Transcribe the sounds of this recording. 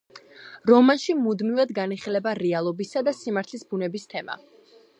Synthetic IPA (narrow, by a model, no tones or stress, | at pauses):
ɾɔmanʃimud̪mivad̪ɡaniχilɛbaɾɛalˠɔbisad̪asimaɾt̪ʰlisbunɛbist̪ʰɛma̰